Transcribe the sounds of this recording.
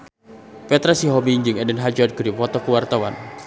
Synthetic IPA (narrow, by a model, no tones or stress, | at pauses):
pɛt̪ɾasiɦɔbiŋd͡ʒɨŋɛdənɦad͡ʒard̚ɡɾipɔt̪ɔkuwart̪awa̰n